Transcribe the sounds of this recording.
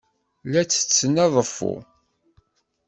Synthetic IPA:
læt͡sːə̥t͡sːənːɑðˤəfːʊ̰

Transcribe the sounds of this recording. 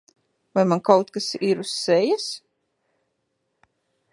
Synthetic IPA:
vajmankawt̪kasiɾusːɛjas

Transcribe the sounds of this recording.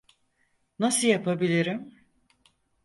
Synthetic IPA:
nasɯjapʰabilʲiɾim

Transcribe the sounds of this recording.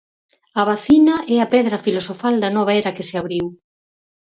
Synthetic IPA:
ɐβaθinɐʔɛɐpɛðɾɐfilosofald̪ɐnɔβ̞aɛɾɐkɪseaβɾiw

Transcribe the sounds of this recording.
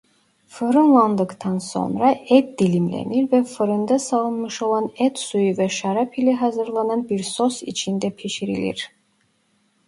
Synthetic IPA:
fɯɾɯnlˠand̪ɯkt̪ʰɑnso̞̰nɾaɛt̪̚d̪ilʲimlʲḛniɾvɛfɯɾɯnd̪asɑlˠɯnmɯʃo̞lˠɑnɛt̪sujuvɛʃaɾapʰilʲɛɦɑzɯɾlˠanɑnbiɾsosḭt͡ʃʰind̪ɛpʰiʃiɾḭlʲḭɾ̥

